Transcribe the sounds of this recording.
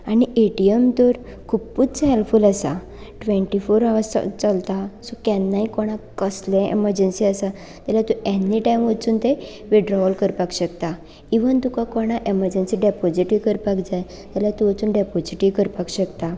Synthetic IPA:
aɽ̃ieʈiəmt̪ɔɾkʰupputt͡sɦelfuːlasa̰ | ʈʋɛ̃ɳʈifoɾaʋsa̰t͡salt̪asɔkɛnːaɦikɔɽ̃ãkəslẽḛməɾd͡ʑənsiasa | t̪alat̪uʔenːiʈajmʋət͡suːnt̪e | ʋiɖɾɔʋəlkəɾpakɕəkt̪a | iʋənt̪ukakɔɽ̃ãʔeməɾd͡ʑənsiɖɛpɔd͡ʑiʈiʋkəɾpakd͡zaj | t̪alat̪uət͡suːnɖɛpɔd͡ʑiʈiʋkəɾpakɕəkt̪a

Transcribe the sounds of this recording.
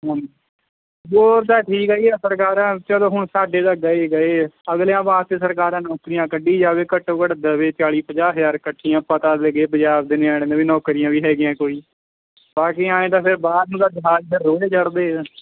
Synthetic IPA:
ɦãːni | boːɾd̪aːʈʰiːkɦɛiːɛːsəɾkaːɾãːt͡ʃəlõːɦʊɳsaːɖeːd̪aːɡəeːɡəeːəɡljãːbaːt̪eːsəɾkaːɾãːnɔːkɾɪjãːkəɖiːd͡ʒaːʋeːkəʈːoːkəɽd̪əʋeːt͡ʃaːɭiːpəd͡ʒaːɦəzaːɾkəʈʰːiːãːpãːt̪aːd̪leɡeːp̬əd͡ʒaːb̚d̪ɪneːaːɽẽːd̪ãːʋiːnɔːkɾɪjãːʋiːɦɛːɡɪjãːkoːiː | baːk̬iãːẽːd̪aːpʰɪɾbaːd̪nũːd̪aːd͡ʒɪɦaːd͡ʒbɪɾːoːeːt͡ʃəɽd̪eː

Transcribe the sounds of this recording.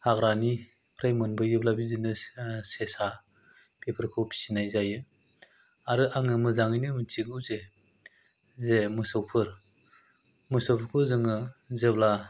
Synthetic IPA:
haɡɾani | pʰɾajmɯnbɯjɯblabizɯnɯsesa | pʰepʰɯɾkʰɯwpʰi̥sinajzajɯ | aɾɯʔaŋɯmɯzaŋɯjnɯmɯtʰiɡɯwze | zemɯsɯwpʰɯɾ | mɯsɯwpʰɯɾkʰɯzɯŋɯzebla

